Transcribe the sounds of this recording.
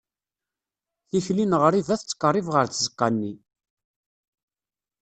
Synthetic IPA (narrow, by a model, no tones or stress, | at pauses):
θiflinʁəɾˤiðæθt͡sːə̥kːərˤːivʁəɾt͡szəqːɑnːi